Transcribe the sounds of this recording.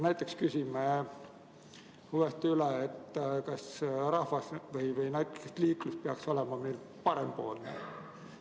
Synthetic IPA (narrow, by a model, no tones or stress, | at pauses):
næjt̪ːˑe̞kskysʲime | huest̪yleet̪ːkɑsrɑhvɑsvɤjvɤjnæjt̪ːˑukːest̪liːklust̪̚peɑkso̞lemɑmil | pɑɾemboːlnḛ